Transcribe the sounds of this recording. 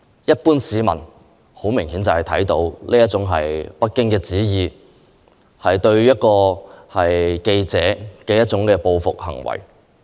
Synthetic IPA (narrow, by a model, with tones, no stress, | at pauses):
jɐ˥t̚puː˥nsiː˨˥mɐ̰˨˩n | ho˨˥wmɪ˨˩ŋhiː˨˥nt͡sɐ˨whɐ˨jt̪ʰɐ̰˨˥jt̪o˨˥wlʔiː˥jɐ˥t̚t͡ʃʊ˨˥ŋɦɐ˨jpɐ˥t̚kːɪ˥ŋkɛː˧t͡siː˨˥jiː˨˧ | hɐ˨jt̪ɵ˧ɥjɐ˥t̚kɔː˧hɐ˨jke˧jt͡sɛː˨˥kɛː˧jɐ˥t̚t͡sʊ˨˥ŋkɛː˧po˧wfʊ˨k̚hɐ̰˨˩ŋwɐ̰˨˩j